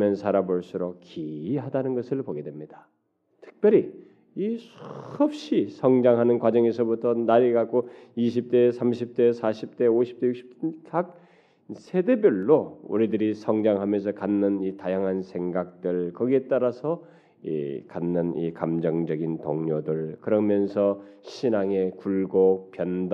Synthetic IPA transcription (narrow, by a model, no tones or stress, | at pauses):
mjʌnsʰaɾaboɭs͈uɾok̚kiiɦadanɯnɡʌsʰɯɭpoɡe̞dwemɲida | tʰɯ̥k̚pjʌɾi | isʰʌp̚ɕ͈isʰʌŋd͡ʑaŋɦanɯnkwad͡ʑʌŋe̞sʰʌbutʰʌnaɾiɡak͈oiɕʰip̚t͈e̞sʰamɕʰip̚t͈e̞sʰaɕʰip̚t͈e̞oɕʰi̥p̚t͈ejuk̚ɕ͈ʰi̥pkak̚ | sʰedebjʌɭːoṵɾidɯɾisʰʌŋd͡ʑaŋɦamjʌns̬ʰʌkanːɯnitajaŋɦansʰe̞ŋɡak̚t͈ɯɭkʌɡie̞t͈aɾasʰʌ | ḭkanːɯnḭkamd͡ʑʌŋd͡ʑʌɡintoŋɲodɯɭkɯɾʌmjʌnsʰʌ | ɕʰinaŋe̞kuɭɡopjʌnd